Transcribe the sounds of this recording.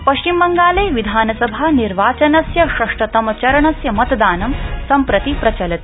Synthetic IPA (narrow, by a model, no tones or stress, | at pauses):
pɐʃt͡ʃimːɐŋɡaːlɐjʋid̪ʱaːnɐsɐbʱaːniɾʋaːt͡ʃɐnɐsjɐʃɐʂʈɐt̪ɐmɐt͡ʃɐɾɐɳɐsjɐmɐt̪ɐd̪aːnɐmsɐmpɾɐt̪ipɾɐt͡ʃɐlɐt̪i̥